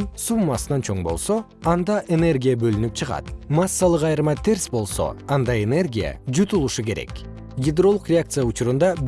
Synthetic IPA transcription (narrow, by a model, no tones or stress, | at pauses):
sumːɑsɯnɑnt͡ʃʰo̞ɴbo̞̰lˠso̞ | ɑnd̪ɑʔene̞rɡʲijabølynyp̚t͡ʃʰɯʁɑ̰t̪mɑsːɑlˠɯqɑjɾmɑt̪ʰe̞ɾsbo̞lˠso̞̰ɑnd̪ɑjene̞rɡʲija̰d͡ʒut̪ulˠuʃuk̬e̞ɾe̞̰k | ɡʲɪd̪ro̞lˠuqrʲɪak̚t̪sɨjaut͡ʃuɾund̪ɑb